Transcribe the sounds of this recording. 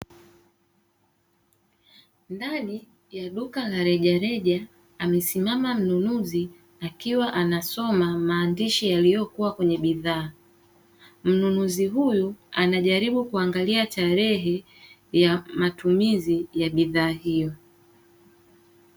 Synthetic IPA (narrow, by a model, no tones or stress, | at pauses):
ndaɗi | jaɗukalaɾɛʄaɾɛʄa | amɛsimamam̩nunuzi | akiwaʔanasɔmamaːndiʃijalijɔkuwakwɛɲɛɓiðaː | m̩nunuziɦujuanaʄaɾiɓukuaŋɡaliataɾɛɦɛ | jamatumizijaɓiðaːhijɔ